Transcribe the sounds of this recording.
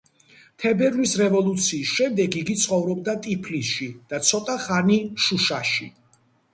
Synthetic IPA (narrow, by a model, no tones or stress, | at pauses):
t̪ʰɛbɛɾlisɾɛvɔlˠut̪sʰiːsʃɛmd̪ɛɡiɡit̪sʰχɔvɾɔb̚d̪at̪ʼipʰlisʃid̪̥at̪sʰɔt̪ʼaχaniʃuʃaʃi